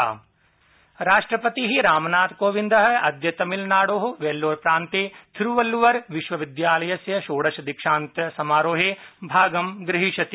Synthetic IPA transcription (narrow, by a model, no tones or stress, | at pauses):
ɾaːʃʈɾəpɐt̪iɦiɾaːmnaːt̪koːʋɪ̃nd̪ɐɦɐɐd̪jɐt̪ɐmɪlnaːɽoːɦoʋeːlːoːɾpɾãːnt̪eːt̪ʰɾuʋɐlːuʋɐɾʋɪʃʋɐʋɪd̪jaːlɐjɐsjɐʃoːɽɐʃɐd̪ɪkʃãːnt̪ɐsɐmaːɾoːɦebʱaːɡɐmɡɾɪɦiʃɐt̪i